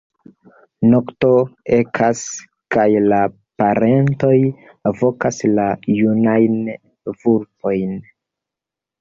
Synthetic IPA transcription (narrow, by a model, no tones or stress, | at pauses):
no̞kto̞e̞kʰas | kajla | paɾe̞nto̞j | avo̞kaslajunajn | vuɾpo̞jn